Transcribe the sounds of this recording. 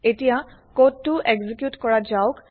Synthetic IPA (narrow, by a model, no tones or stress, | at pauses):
etijakotːʊʔeɡzikjutkɔɹad͡ʒaʊk